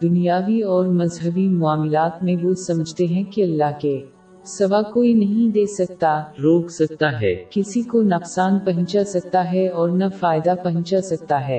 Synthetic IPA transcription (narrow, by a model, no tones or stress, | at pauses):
d̪ʊnijaːʋiɔːɾmɐzɦəbimʊaːmɪlaːt̪mẽʋosɐməd͡ʒʱt̪eɦɛ̃kiɐlːaɦke | sɐʋakoːinɐɦĩd̪eːsɐk̚t̪aɾoːkʰsɐk̚t̪aɦɛ̰ːkɪsikonafsaːnpɐɦə̃nt͡ʃasɐk̚t̪aɦɛɔːɾnafaːɪd̪apɐɦə̃ɲt͡ʃasɐk̚t̪aɦɛː